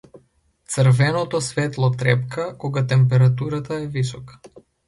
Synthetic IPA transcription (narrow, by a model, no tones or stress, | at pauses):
t̪srvɛnɔt̪ɔsvɛt̪lˠɔt̪ɾɛpkakɔɡat̪ɛmpɛɾat̪uɾat̪aɛvisɔkḁ